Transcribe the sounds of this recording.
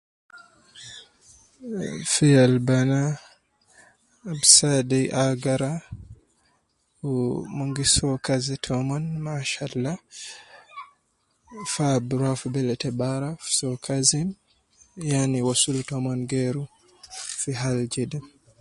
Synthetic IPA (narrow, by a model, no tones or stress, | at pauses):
fialbana | bsadɛʔaɡaɾa | moŋɡisɔkazɛtʰɔmɔnmaʃalːa | fabɾafubɛlɛtɛbaɾafsɔkʰazim | janiwasultɔmɔnɡɛɾu | fiɦald͡ʒɛdɛ